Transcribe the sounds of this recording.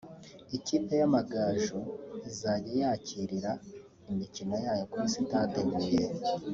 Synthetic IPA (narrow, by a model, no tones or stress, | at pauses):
iciːpe̞jamaɡaːʒuizaɟijacʰiɾiɾa | imicino̞jaːjo̞kusitaːteɡuje